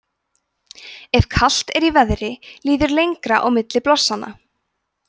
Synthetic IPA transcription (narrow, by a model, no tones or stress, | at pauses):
ɛv̥kʰal̥t̪ɛɾivɛðɾɪliːðʏɾlejŋkɾaʔɔɣmɪt̪lɪplɔsːanːa̰